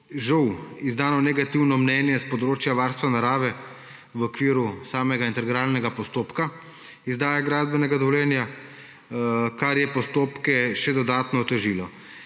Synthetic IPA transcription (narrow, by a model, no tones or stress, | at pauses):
ʒɐwizd̪aːnɔnɛɡat̪iwnɔmnɛnjɛspɔd̪ɾoːt͡ʃjaʋaːɾst̪ʋanaɾaːʋɛ | ʋɔkʋiːɾusaːmɛɡaint̪ɛɾɡɾaːlnɛɡapɔst̪oːpka | izd̪aːjaɡɾaːzbɛnɛɡad̪ɔʋwljɛːnja | kaɾjɛpɔst̪oːpkɛʃɛd̪ɔd̪aːt̪nɔːt̪ɛʒiːlɔ